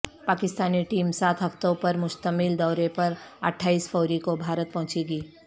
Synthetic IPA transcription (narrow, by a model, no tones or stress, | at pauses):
paːkɪst̪aːniʈiːmsaːt̪ʰɦɐft̪õpɐɾmʊʃt̪əmɪld̪ɔːɾepɐɾɐ̰ʈʰːaːiːsfɔːɾikobʱaːɾət̪̚pɐɦʊ̃t͡ʃeːɡiː